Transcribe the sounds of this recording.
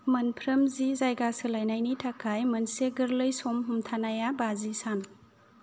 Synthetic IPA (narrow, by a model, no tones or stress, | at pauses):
mɐnpʰɾɐmzizajɡasɯlajnajnitʰakʰajmɐnseɡɯɾlɯjsomɦumtʰanajabazisan